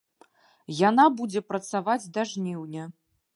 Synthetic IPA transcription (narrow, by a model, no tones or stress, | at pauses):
janabud͡zʲɛpɾɐt̪savad͡zʲd̪aʐnʲiwnʲɐ